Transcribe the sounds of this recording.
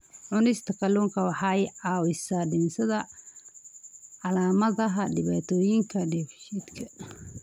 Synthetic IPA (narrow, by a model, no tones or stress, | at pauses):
ʕʊnɛst̪ʰɐkʰɐluŋkʰɐwɑħɑɛjʕɑːwɪsaːɖɪnsɐðɐ | ʕɑlaːmɐðɐɦɐɖɪβaːt̪ʰɔːjɪŋkʰɐɖɛfʃid̪kʰɐ